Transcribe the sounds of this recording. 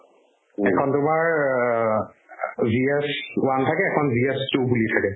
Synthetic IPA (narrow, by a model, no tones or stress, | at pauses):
ɛkʰɔntʊmaɹ | ziɛswantʰakɛːkʰɔnziɛstubulitʰakɛ